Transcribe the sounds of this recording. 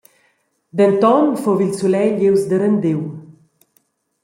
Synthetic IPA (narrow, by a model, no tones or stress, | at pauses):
d̪ɛnt̪ɔnfovilsulɛʎewsd̪əɾənd̪ew